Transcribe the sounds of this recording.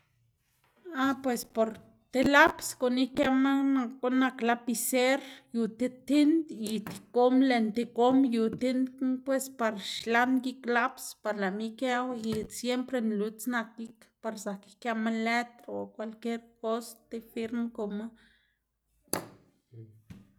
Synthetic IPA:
apwespoɾ | t̪elapskonihkamanakonaklapiseɾjut̪et̪ind̪it̪i̥komlent̪ekomjut̪ind̪pwespaɾʃlanjiklapspaɾlamikewisjempɾenlut͡snak̚ikpaɾsaki̥kamalet̪ɾokʷalkjeɾkosḁt̪efiɾmkoma

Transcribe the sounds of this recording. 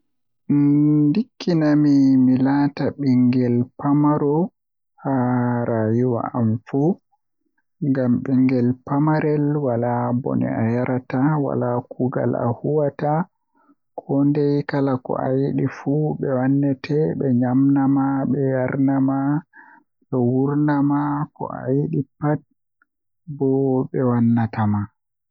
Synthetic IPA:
dikːinamimilataɓiŋɡɛlpamaɾɔ | aɾajiwa̰amfu | ŋɡamɓiŋɡɛlpamaɾɛlwalabɔ̰nɛ̰ajaɾʔatawa̰lakuɡa̰la̰huwata | kʰɔndɛjkalakɔ̰ʔajiɗifuɓɛwanːɛtʰɛɓɛɲamnamaɓɛjaɾnama | ɓɛwuɾnamakɔ̰a̰jiɗipat̚ | bɔɓɛwanːatama

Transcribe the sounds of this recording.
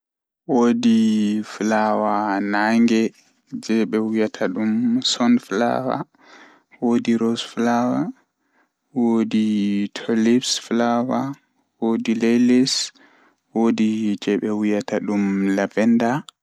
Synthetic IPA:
wodiflawanaŋɡɛ | d͡ʒɛɓɛwijatʰaɗumsɔnfla̰wa̰ | wodiɾɔsflawa | woditʰɔlipsflawa | wodilɛlis | wodid͡ʒɛɓɛwijataɗumlavɛnda

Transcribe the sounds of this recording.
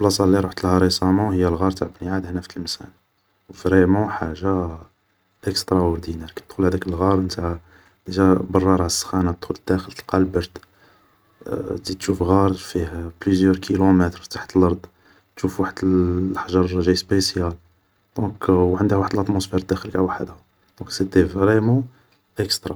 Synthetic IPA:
blɑsˤɑlːiɾˤuħt̪əlhæɾˤesɑmɑ̃həjːælɣɑɾˤt̪aʕbniʕad̪hnæft̪əlmsæ̰n | wfɾɛmɑ̃ħaʒa | ʔəkst̪ɾˤɑɔɾd̪inɛɾkæt̪xulhæd̪ækəlɣɑɾˤənt̪ahæ | d̪̥əʒæbɑrˤːɑɾˤɑʕsːxænat̪xuld̪̥ːæxəlt̪ə̥lqɑlbɑɾd̪ | d̪it̪ʃufɣɑɾˤfihplyzjœɾkʰilomɛt̪ɾfi̥t̪ḁħət̪əlʔɑɾˤd̪ˤ | t̪ʃufwaħəd̪əlħʒɑɾˤʒæjspesjæl | d̪̥ɔ̃kʕənd̪əhwaħəd̪əlɑt̪mosfeɾd̪æxəlkawaħəd̪hæ | d̪̥ɔ̃ksəd̪ivɾɛmɑ̃ | ʔəkst̪ɾˤɑ

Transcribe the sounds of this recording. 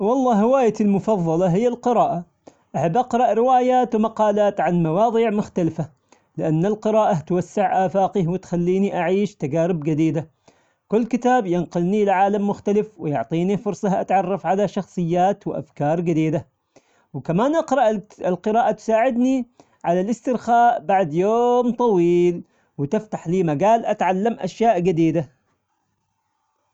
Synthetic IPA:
wɑlˤːɑːɦɪwaːjalmʊfɑðˤːɑlɑɦɪjːalqɨɾɑːʔa | ʔaħabːʔɑqɾˤɑʔɾɪwaːjaːt̪wmɑqɑːlaːt̪ʕanmawɑːðˤiʕmʊxt̪alfa | lɪʔanːalqɨɾɑːʔat̪wasːaʕʔaːfaːqihwɪt̪xalːiːniʔaʕiːʃt̪aɡaːɾɪbd͡ʒad̪iːd̪a | kʊlːkɪt̪aːbjɪnqʊlnilʕaːlamːʊxt̪alɪfwɪjʊʕt̪ˤiːnifʊɾsˤɑhʔa̰t̪ʕɑrˤːɑfʕalaʃɑxsˤɨjːaːt̪wɪʔa̰fkɑːɾˤɡɪd̪iːd̪a | wkamaːnʔɑqɾˤɑʔɪlqɨɾɑːʔat̪ʊ̥saːʕɪd̪ni | ʕalalʔɪst̪ɪɾxaːʔbaʕd̪joːmt̪ˤɑwiːl | wɪt̪ɪft̪aħliːmaɡaːlʔat̪ʕalːamʔa̰ʃjaːʔɡad̪iːd̪a

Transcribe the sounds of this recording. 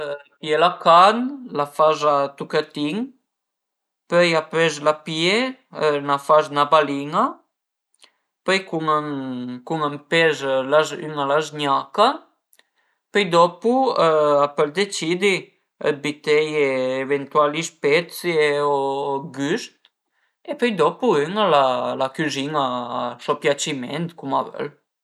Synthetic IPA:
jɛlakanlafazat̪ukət̪iŋ | pœjapɾɛzlapjeənafaznabaliŋa | pœjkuŋakuŋampɛzlazy̰nalazɲaka | pœjd̪ɔpuapəld̪et͡ʃid̪i | ə̰t̪̚bit̪ɛjeːvent̪ualispɛt̪t͡sjieoɡyst̪ | epøjd̪ɔpuyŋalalakyziŋasɔpjat͡ʃimɛ̰nt̪kuma̰vɛ̰l

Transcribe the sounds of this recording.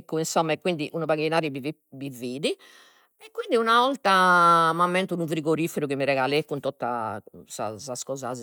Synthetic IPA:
kːuinsɔmːaekːwind̪iʔunuβaɣinaːɾiβi | biviːði | ɛkːwind̪iunavɔlt̪amamːɛnt̪unuvɾiɣoɾifeɾuɣimiɾɛɣalekːunt̪ɔt̪ːa̰sa̰saskɔːzaz

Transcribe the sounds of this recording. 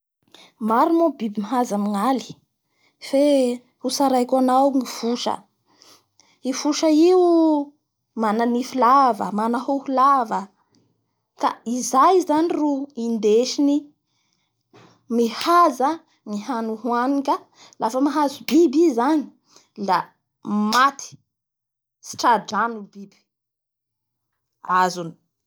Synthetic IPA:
maɾumobibimiɦazamiŋali̥ | fe | husaɾajkwanawŋifuʃə̰ | ifuʃəiw | mananifulavə̰manahohulavə | k̪aizajzaniruind̪eʃini | mihaza | miɦanuɦuanikʲa | lafəmaɦazubibizani̥ | la | mat̪i̥ | si̥ʈ͡ʂaɖ͡ʐanubib̥i̥ | azuni̥

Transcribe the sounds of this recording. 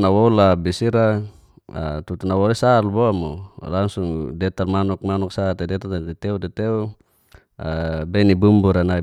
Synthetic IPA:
nawɔlabisiɾa | a̰t̪ut̪unawɔlesalbɔamulaŋsuŋdɛt̪armanɔk̚manɔksat̪ɛdɛt̪adɛt̪ɛudɛt̪ɛu | abɛnibumbuɾanai

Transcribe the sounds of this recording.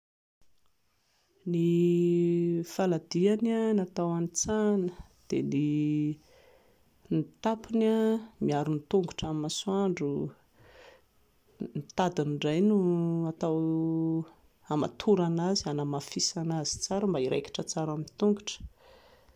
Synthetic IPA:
ni | falad̪iananat̪awanit͡sanə̥d̪̥eni | nit̪apinamiaɾunit̪uŋɡuʈ͡ʂamimaswaɳɖ͡ʐu | nit̪ad̪iniɖ͡ʐajnuat̪aw | ama̰t̪ʰuɾanazianamafisanazi̥t͡saɾəmbaiɾḛki̥ʈ͡ʂət͡saɾamint̪uŋɡuʈ͡ʂə̥

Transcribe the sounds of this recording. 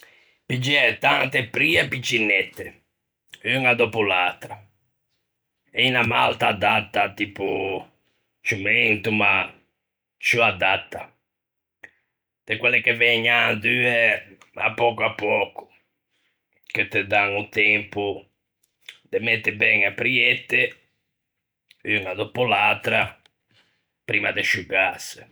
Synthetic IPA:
pid͡ʒɛt̪ant̪epɾiːapit͡ʃːinːɛt̪ːe | yŋad̪ɔpulat̪ɾa | ɛinamalt̪aːd̪ːat̪ːat̪iːpu | t͡ʃumɛnt̪uma | t͡ʃuad̪at̪ːa | d̪̥ekwɛlːekevɛɲand̪yːɛ | a̰pːɔkuapːɔːku̥ | ket̪ːed̪aŋut̪ɛmpu | d̪emɛt̪ːebɛŋapːɾiet̪ːe | ynad̪opulalt̪ɾa | pɾiːmad̪eʃuɣasɪ̥

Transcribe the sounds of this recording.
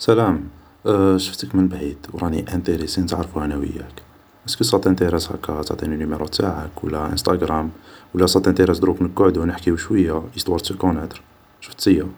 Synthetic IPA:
sælæm | ʃəft̪əkmənbʕid̪wɾˤɑnḭʔænt̪ˤiɾisint̪ʕɾˤfuhænæwə̰jːæ̰k | ʔəskisˤɑt̪ˤːnt̪iɾæshæ̰kːæt̪ʕt̪ˤininumeɾˤut̪ːaʕəkwə̰lːæʔə̰nst̪ˤɑɡɾˤæmwəlːæsˤɑt̪ːænt̪iɾæsd̪ɾuknəɡoʕd̪unəħkiuʃwəjːaəst̪ˤwɑɾt̪əlkonæt̪ɾ | ʃə̥ft̪əjːæ

